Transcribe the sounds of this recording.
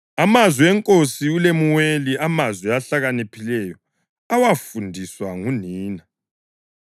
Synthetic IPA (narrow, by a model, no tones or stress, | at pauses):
amazwiɛŋkʼosiulemuweliamazwɛaɬaɣanepʰilɛjɔ | awafundʱiswaŋuniːna